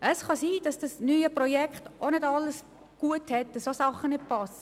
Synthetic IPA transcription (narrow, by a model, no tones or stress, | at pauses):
ʔəsχɑsiːd̥ɑsd̥ɑsnyːəprɔjɛkχtonɪdɑlːəs | ɡ̥uəthɛt̚dəsosɑχːənɪt̚pɑs